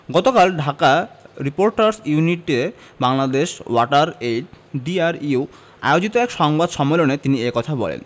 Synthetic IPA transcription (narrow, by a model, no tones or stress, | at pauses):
ɡɔt̪okalɖʱakaɾipoɾʈaɾsjuniʈebaŋlad̪eʃwaʈaɾeʈ̚ | ɖiaɾio | a̰eod͡ʑit̪oɛkʃɔŋbad̪ʃɔmːelonet̪iniekɔt̪ʰabɔlḛn